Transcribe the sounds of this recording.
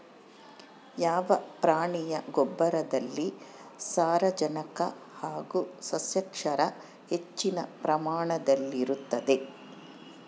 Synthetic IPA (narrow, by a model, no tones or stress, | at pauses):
jaːʋɐpɾaːɳijɐɡɔbːɐɾɐd̪ɐlːisaːɾɐd͡ʒɐnɐkɐ̰haːɡusɐsjɐkʂɐɾɐ | het͡ʃːinɐ̰pɾɐmaːɳɐd̪ɐlːiɾut̪ːɐd̪e̞